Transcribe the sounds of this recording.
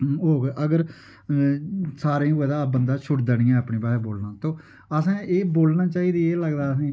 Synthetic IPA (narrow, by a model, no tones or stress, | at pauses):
ɦoːɡeʔəɡəɾ | saːɾẽːoɛd̪aːbənd̪aːt͡ʃʰʊʈd̪ənĩːãːəpnĩːbaːɦeːboːlnãːt̪õː | əsãːeːboːlnãːt͡ʃaːiːd̪iːeːləɡd̪aːəsãː